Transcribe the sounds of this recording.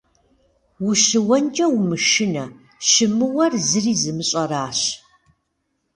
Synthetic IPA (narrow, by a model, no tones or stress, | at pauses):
wʊʃɨwɐnt͡ʃʼɐwmɨʃɪnɐ | ʃɨmɨwɐrzɨriːzɨmɨɕʼɐraːɕ